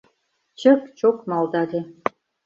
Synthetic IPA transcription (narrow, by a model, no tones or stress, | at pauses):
t͡ɕə̆kt͡ɕokmɑlˠd̪ɑd̪ʲe